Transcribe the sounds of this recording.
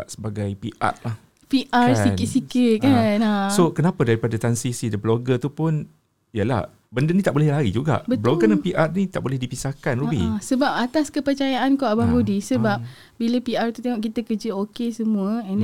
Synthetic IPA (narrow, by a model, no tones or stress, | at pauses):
aʔsəbaɡajpḭʔa̰t̪̚lah | piʔarsinɪt̪̚sikit̪̚kanasokənapadaɾipadat̪ansisidəbloɡət̪upʊn | jəla̰h | bəndənit̪aʔbolɛhlaɾḭd͡ʒuɡa̰ʔbəbloɡənapiʔat̪̚nit̪aʔbolɛhdipisahkanɾubḭsəbap̚at̪askəpərt͡ʃajaʔankaabaɡodisəbap̚ | biləpiart̪ut̪eŋɔʔkit̪əkəd͡ʒəokesəmũəɛn